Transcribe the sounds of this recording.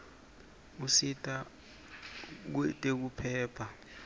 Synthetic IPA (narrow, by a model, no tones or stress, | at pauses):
usitʼa | k̬ɛtʼek̬upʰɛːpʰa